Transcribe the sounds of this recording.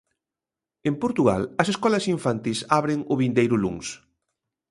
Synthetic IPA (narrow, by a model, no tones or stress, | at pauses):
empoɾt̪uɣa̰lɐseskɔlɐsiɱfant̪isaβɾeŋʊβind̪ejɾʊlṵŋs